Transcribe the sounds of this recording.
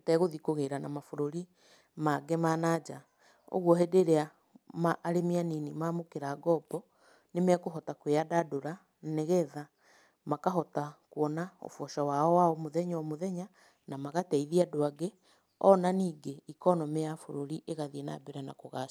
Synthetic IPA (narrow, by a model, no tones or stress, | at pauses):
tɛɣoðikoɣeɾanamafoɾoɾi | maɡemanad͡ʒa | o̰ɣwɔɦedeɾea | maʔːɾemianinimaːmokeɾaɡɔbɔ | nemɛkoɦɔtakweadadoɾa | neɣɛða | makaɦɔtakwɔnao̰fɔʃawaɔwaɔmoðɛɲɔmoðɛɲa | namaɣatɛiðiadoaɡe | ɔ̰naniːɡeikɔnɔmeafoɾoɾiʔeɣaðiena̰bɛɾana̰koɣa